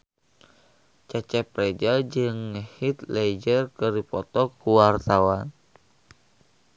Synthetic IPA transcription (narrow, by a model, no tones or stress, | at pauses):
t͡ʃat͡ʃɛpɾɛd͡ʒad͡ʒɨŋhit̪lɛd͡ʒərkəɾipɔt̪ɔkuwart̪awan